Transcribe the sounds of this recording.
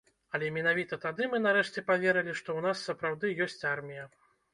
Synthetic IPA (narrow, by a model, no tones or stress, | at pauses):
ɐlʲɛmʲɛnavʲit̪ɐt̪ad̪ɨmɨnaɾɛʂt͡sʲɛpavʲɛɾɨlʲiʂt̪ɔwn̪asːɐpɾawd̪ɨjɔsʲt͡sʲarmʲijɐ